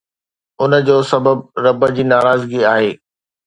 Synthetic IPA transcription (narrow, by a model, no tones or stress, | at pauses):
ʊnəd͡ʑoːsɐbəbɾɐbəd͡ʑiːnaːɾaːzɡiaːɦeː